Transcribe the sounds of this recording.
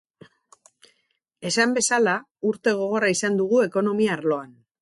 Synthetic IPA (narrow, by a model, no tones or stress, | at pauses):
e̞sambe̞sala | uɾt̪e̞ɣ̞o̞ɣ̞o̞raisand̪uɣ̞ue̞ko̞no̞miaːɾlo̞an